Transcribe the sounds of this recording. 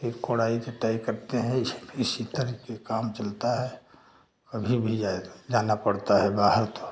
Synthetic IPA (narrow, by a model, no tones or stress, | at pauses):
ekːoɽaːik̪eʈaːikɐɾt̪eɦɛ̃ɪsbisit̪əɾkekaːmt͡ʃɐlt̪aɦɛ | kɐbʱibʱid͡ʒad͡ʒaːnapɐɽt̪aɦɛbaːɦəɾt̪o